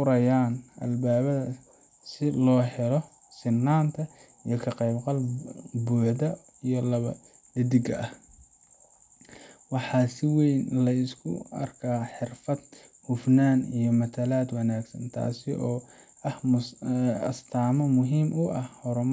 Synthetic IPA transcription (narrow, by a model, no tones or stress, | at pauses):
ʊɾɐjaːnʔɐ̰lbaːβɐðɐ | sɪlɔːɦɛlɔ | sɪnːaːnt̪ʰɐ | ijɞkʰɐqɛjbqɑlbuːħd̪ɐ | ijɔlɐβɐ̰ | ɪd̪ɪɡɐʔɐh | wɑħɑːsɪwɛjnlɐɪskʰʊ̰ɐ̰rkʰaːħɪrfɐd̪̚hʊfnaːnijɞmɐt̪ʰɐlaːd̪wɐnaːɡsɐ̰nt̪ʰa̰ːsɪʔɔː | ɐh | ɐ̰st̪ʰaːmɔmʊɦiːmʔʊʔɐhhɔɾʊm